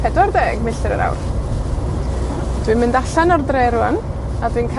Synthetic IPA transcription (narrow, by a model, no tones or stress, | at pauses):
pʰɛdwardɛːɡ̥mɪɬtəɾə̰ɾa̰wr | d̥wɪnmɪndaɬanɔrdrejɾuan | adwɪnkʰ